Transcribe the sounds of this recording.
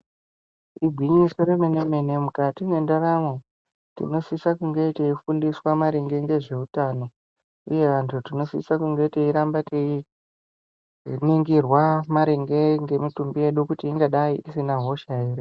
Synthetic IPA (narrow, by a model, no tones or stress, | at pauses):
iɡʱwiɲiso̞ɾemenemene̞mukatimwe̞ndaramo | tḭno̞sisakuŋɡe̞iteifundiswamaɾeŋɡe̞ŋɡe̞ʐe̞utano̞ | uje̞ʋantʰutino̞sḭsakuŋɡe̞iteiɾambatei | niŋɡirwamaɾeŋɡe̞ŋɡe̞mitumbije̞ɗukutiːŋɡaɗaiʔisinaɦo̞ʃaire